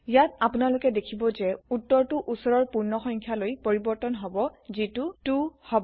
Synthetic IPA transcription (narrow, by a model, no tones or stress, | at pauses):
jatapunalʊkɛdekʰibɔzɛutːɔɹtʊʔusɔɹɔɹpuɹnɔxɔŋkʰjalojpoɹibɔɹtɔnɦɔbɔzitutuhɔbɔ